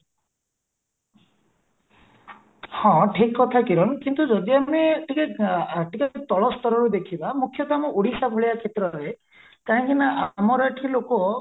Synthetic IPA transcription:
hɔ̃ʈʰikːɔt̪ʰakiɾɔnkint̪ud͡ʒɔd̪iameʈʰikeʈikat̪ɔɭɔst̪ɔɾɔɾud̪ekʰibamukʰːjɔt̪amɔʔuɽisabʱoɭiakʰet̪ɾɔɾe | kaɦɔ̃ŋkinaʔamɔɾɔʈʰilokɔ

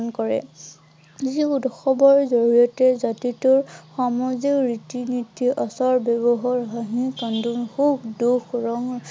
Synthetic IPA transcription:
nkɔɹɛ̰ | ziudxɔbɔɹzoɹijɔtɛzatituɹxɔmɔziɹitinitːiʔɔsɔɹbebɔɦɔɹɦaɦĩkandunxukduxɹɔŋ

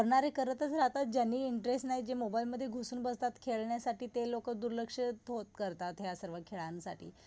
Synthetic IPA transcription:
əɾɳaɾekəɾət̪ət͡sɾat̪at̪̚d͡ʑjanːiːɳʈɾesʈnaɦiːd͡ʑemobailməd̪ʱːjeɡʱosuːnbəst̪at̪kʰeɭɳjasaʈiːt̪elokəd̪uɾləkʂət̪ɦot̪kəɾt̪at̪ɦjasəɾʋəkʰeɭãnsa̰ʈḭː

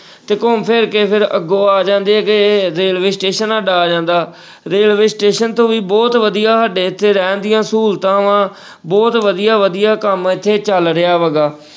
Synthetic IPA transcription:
t̪eːkompʰɪɾkeːpʰɪɾə̰ɡoːaːd͡ʒãːnd̪eːkeɾeːlʋeːsʈeːʃənəɖaːd͡ʒãːnd̪aː | ɾeːlʋeːsʈeːʃənt̪õːʋiːbɔːt̪ʋəd̪ijaːɦəɖeːɪt̪ʰːeːɾɛːnd̪ɪjãːsuːlt̪ãːʋãː | bɔːt̪ʋəd̪ijaːʋəd̪ijaːkəmɪt̪ʰːeːt͡ʃəlɾɪaːʋəɡaː

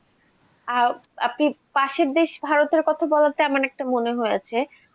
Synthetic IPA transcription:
aɾ | a̰pnipaʃeɾd̪eʃbʱaɾot̪eɾkɔt̪ʰabɔlat̪eamanɛk̚ʈamoneɦojet͡ɕʰe

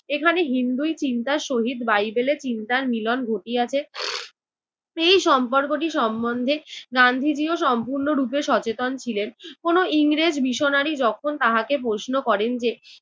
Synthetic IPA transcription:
ekʰaneɦind̪ujt͡ɕint̪aɾʃoɦid̪bajbelet͡ɕint̪aɾmilɔnɡʱoʈiat͡ɕʰe | ejʃɔmpoɾkoʈ̬iʃɔmbond̪ʱeɡand̪ʱid͡ʑioʃɔmpuɾnoɾupeʃɔt͡ɕet̪ont͡ɕʰilenkonoiŋɾed͡ʑbiʃonaɾid͡ʑɔkʰont̪aɦakep̬ɾoʃnokɔɾend͡ʑe

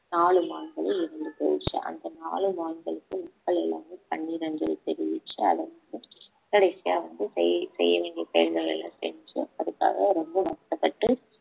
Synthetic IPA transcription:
naːɭɯmaːnɡɐɭɯɪɾɐnd̪ɯp̪oːɪt͡ʃːɯ̰ʔɐ̰nd̪ɐnaːɭɯmaːɳɡɐɭɯkːɯmʊkːɐɭɛlːaːmepɐɳːiːɾɐnd͡ʒɐlɯ̰t̪ɛɾɪjɪt͡ʃːɯɐ̰ðɐʋɐnd̪ɯ | kɐɽɐɪsɪja̰ːʋɐnd̪ɯsɛjsɛ̰jːɐʋeːɳɡiɐsɛjɐlɡɐɭɛ̰lːã̰ːsɛ̰nd͡ʒɯ̰ɐðɯkːa̰ːɣɐɾɔmbɐnɐʈ̪ːɐpːɐʈːɯ

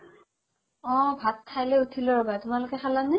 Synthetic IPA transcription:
ɔ̃bʱattʰːajlɛutʰilɔɹɔbatʊmalʊkɛxʰalanɛ

